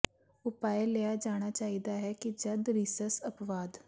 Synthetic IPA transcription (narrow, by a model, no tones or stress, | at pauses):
ʊpaːeleːaːd͡ʒaːɽ̃aːt͡ʃaːiːd̪aːɦɛːkid͡ʒəd̪ɾisəɾsəpʋaːd̪